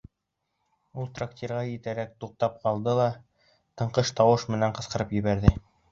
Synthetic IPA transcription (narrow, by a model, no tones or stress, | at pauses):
ulˠt̪rakt̪ʲerʁɑjɘ̆t̪æɾæk̚t̪uq̚t̪ɑp̚qɑlˠd̪ɤlˠɑ | t̪ɤ̆ɴqɤʃt̪ɑwɤʃmɘ̆næɴqɤ̆sqɤ̆ɾɤpjɘ̆βæɾðɘ